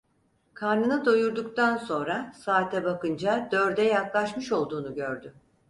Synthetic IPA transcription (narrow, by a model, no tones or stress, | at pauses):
kʰaɾnɯnɯd̪ojuɾd̪ukt̪ʰanso̞nɾasaːt̪ʰɛbakɯnd͡ʒad̪øɾd̪ɛjaklˠaʃmɯʃo̞lˠd̪uːnuɟøɾd̪ʏ